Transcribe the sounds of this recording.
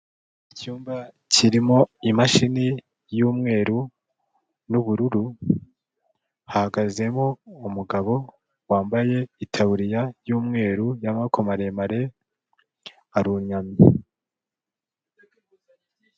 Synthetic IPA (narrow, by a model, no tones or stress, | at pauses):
icuːmba | ciɾimo̞imaʃini | juːmŋe̞ːɾu | nuβuɾuɾu | hahaɡaze̞mo̞umuɡaβo̞ | waːmbaje̞itʰaβuɾijajuːmŋe̞ːɾujamakomaɾe̞maɾe̞ | aɾuɲami